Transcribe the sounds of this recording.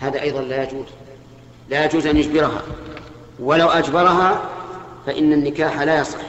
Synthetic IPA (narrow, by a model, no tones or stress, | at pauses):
haːðaʔɑjðˤɑnlaːjad͡ʒuːz | lajad͡ʒuːzʔanjʊd͡ʒbɪɾɦa̰ | walawʔad͡ʒbɑɾˤɑɦa | faʔɪnːanːɪkaːħalaːjɑsˤɨ̰ħ